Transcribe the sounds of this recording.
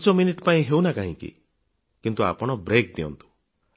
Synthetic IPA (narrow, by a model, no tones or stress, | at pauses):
t͡ʃɔminiʈpaĩɦewnakaɦĩkḭ | kint̪ua̰pɔɽ̃ɔbɾek̚d̪iɔ̰nt̪u̥